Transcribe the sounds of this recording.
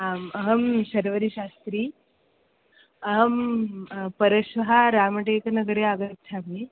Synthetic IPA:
aməɦəmɕɐɾʋəɾiɕast̪ɾiː | ɐɦəm | pəɾəɕʋɐɦaɾaːmɐʈeknɐɡɾeaɡət̪sʰami

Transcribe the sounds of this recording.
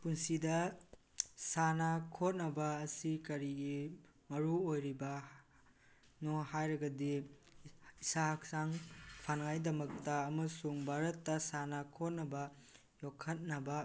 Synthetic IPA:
punsidɐ | sanɐkʰot̚nɐbɐːsikɐɾiɡi | mɐɾuojɾibɐ | nɔhajɾɐɡɐdi | isahak̚saŋpʰanŋajdɐmɐk̚tɐɐmɐsuŋbʱaɾɐtːɐsanɐkʰot̚nɐbɐ | jokʰːɐt̚nɐbɐ

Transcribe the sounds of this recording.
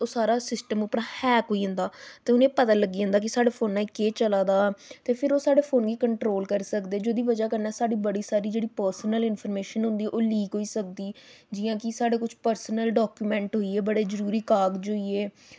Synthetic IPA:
oːsaːɾaːsɪsʈəmʊpɾãːhɛːkoːiːɦʊ̃nd̪aːt̪eːʊnẽːpət̪aːləɡːiːə̃nd̪aːk̬ɪsaːɽeːpʰoːnːãːekeːt͡ʃəlaːd̪aːt̪eːpʰɪɾoːsaːɽeːpʰoːnɡiːkəɳʈɾoːlkəɾsəkd̪eːd͡ʒoːd̪iːʋəd͡ʒaːkəɾnɛːsaːɽiːbəɽiːsaːɾiːd͡ʒeːɽiːpəːɾsənəlɪnpʰəːɾmeːʃənɦʊ̃nd̪iːɛːʔoːliːkɦoːiːsək̚d̪iː | d͡ʒɪjãːkɪsaːɽeːkʊt͡ʃʰpəɾsnəlɖɔːkjuːmɛ̃ːɳʈɦoːiːeːbəɽeːzəɾuːɾiːkaːɡd͡ʒoːieː

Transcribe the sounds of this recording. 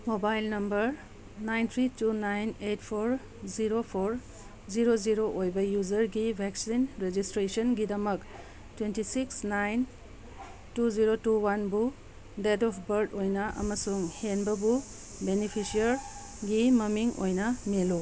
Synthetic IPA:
mobajlnɐmbɐɾ | najnt̪ʰɾitunajnejtpʰoɾ | ziɾopʰoɾ | ziɾoziɾoʔojbɐjuzɐɾɡibʱeksinɾed͡ʒistɾesɔnɡidɐmɐk | twentisiksnajn | tuziɾotuwanbu | dedɔpʰbɐɾdojnɐʔɐ̰mɐsuŋhenbɐbu | benipʰisiɐɾ | ɡimɐmiŋʔo̰jnɐmelu

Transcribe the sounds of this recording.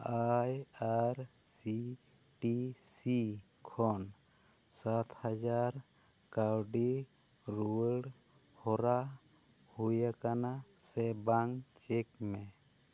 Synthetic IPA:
ajaɾsi | ʈisi | kʰɔnsat̪ʰhad͡ʒaɾ | kawɖiɾuəlɽ | hɔɾa | hujakanasɛbaŋt͡ʃɛkme

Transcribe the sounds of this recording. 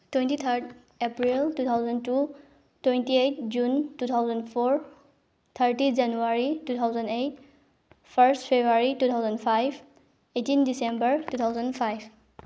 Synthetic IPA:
twẽntit̪ʰəɾd | epɹiltut̪ʰawzə̃ntu | twẽntiejt̚ʰd͡ʒuntut̪ʰawzə̃ndpʰoɹ | t̪ʰəɹtid͡ʒanuaɹitut̪ʰawzə̃ndet̚ | pʰəɾstpʰebaɹitut̪ʰawzə̃npʰajb | etindisẽmbəɹtut̪ʰawzə̃npʰajb

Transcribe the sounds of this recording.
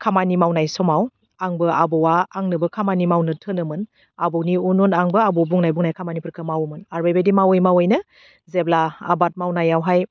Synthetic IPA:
kʰamanimawnajsɔmaw | aŋbɯabɔwaːŋnɯbɯkʰamanimawnɯtʰɯnɯmɯn | abɔwniununaŋbɯabɔbuŋnajbuŋnajkʰamanipʰɯɾkʰɯmawmɯnaɾbejbedimawɯjmawɯjnɯ | zebla̰ːbat̚mawnajawɦaj

